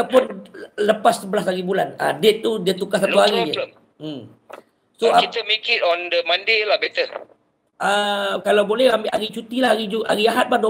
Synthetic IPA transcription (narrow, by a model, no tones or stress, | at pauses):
apʊnləpasːəbəlasaɣibulanə̰det̪ːudiat̪ukasat̪uaɣiə | m | soat̪əmekitɔ̃ndəmãndelabɛt̪ə | əkalawbolɛhambɪʔa̰ɣit͡ʃut̪ilaɣid͡ʒua̰ɣiaɦat̪̚bahd